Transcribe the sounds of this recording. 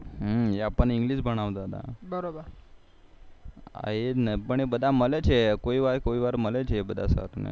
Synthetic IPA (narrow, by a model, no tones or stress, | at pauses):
ɦəɦeapəɳiŋɡliːɕbʱəɽ̃aʋd͡zad̪a̰bəɾobəɾ | a̰ɦenəpəɳ̃ebəd̪ʱaməlet͡ɕʰekoiʋaɾkoiʋaɾməlet͡ɕʰebəd̪ʱasa̰ɾnḛ